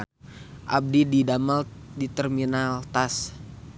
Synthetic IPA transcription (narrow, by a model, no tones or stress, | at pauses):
ʔa̰b̚dididamaldit̪ɛrminalt̪as